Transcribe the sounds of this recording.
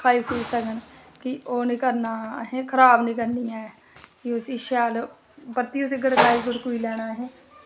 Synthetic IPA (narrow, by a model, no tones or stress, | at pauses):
kʰaːiːkuisəkənkioːnɪkəɾnaːɦɛ̃ːkʰəɾaːbnik̬əɾnijãːɛ | kiʊsiʃaːl | bət̪ːiʊseɡəɽkaːiːɡʊɽkuilɛːɽ̃aːɦɛː